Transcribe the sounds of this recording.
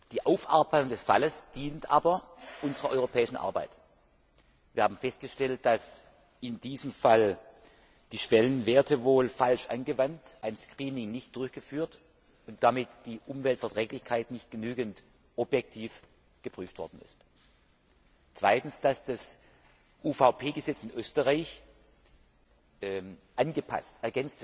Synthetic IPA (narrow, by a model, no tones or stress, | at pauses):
d̥iːʔaʊfʔa̰ɐbaɪtʊŋdɛsfaləsd̥iːntʔa̰ːbɐʔʊnzəʁɐʔɔʏʁopʰɛːɪʃn̩ʔa̰ɐba̰ɪt | viːɐhaːbm̩fɛst̚ɡ̥əʃtɛlt̚d̥as | ʔɪndiːzəmfal | d̥iːʃv̥ɛlənveːɐtʰəvoːlfalʃʔa̰nɡəvantʔaɪnskʁ̥iːnɪŋnɪçt̚d̥ʊɐçɡ̥əfyːɐt | ʊntd̥amɪtd̥iːʔʊmvɛltfɛɐtʁ̥ɛːklɪçkʰaɪtnɪçt̚ɡ̥ənyːɡənt | ʔɔbjɛk̚tʰiːf | ɡ̥əpʁ̥yːftv̥ɔɐdn̩ɪ̰st | t͡sv̥aɪtn̩sd̥asd̥as | ʔuːfaʊpʰeːɡəzɛt͡sɪnʔøːstəʁaɪç | ʔanɡəpʰa̰stɛɐɡɛnt͡stv